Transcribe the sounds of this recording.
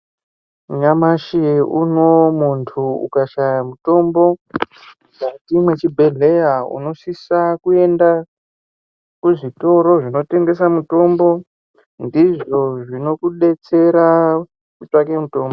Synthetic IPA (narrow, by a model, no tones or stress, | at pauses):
uɲamaʃiuno̞muntʰuṵkaʃajamuto̞mbo̞ | katimwe̞t͡ʃibʱe̞ɮe̞jaṵno̞sisakue̞nda | kuʐito̞ɾo̞ʐino̞te̞ŋɡe̞s̬amuto̞mbo̞ | ndiʐo̞ʐino̞kuɗe̞t͡se̞ɾa | kut͡ʂake̞muto̞ːmbo